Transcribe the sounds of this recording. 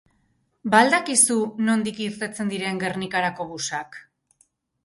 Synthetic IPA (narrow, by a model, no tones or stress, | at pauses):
bald̪akisuno̞nd̪ikiɾt̪e̞t͡se̞nd̪iɾe̞ŋɡe̞rnikaɾako̞βusak